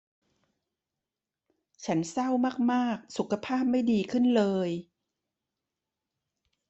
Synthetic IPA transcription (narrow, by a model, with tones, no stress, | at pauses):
t͡ɕʰa˦˥nsa˥˩wmaː˥˩k̚maː˥˩k̚su˨˩kʰa˧pʰaː˥˩p̚ma˥˩jdiː˧kʰɯ˥˩nlɤː˧j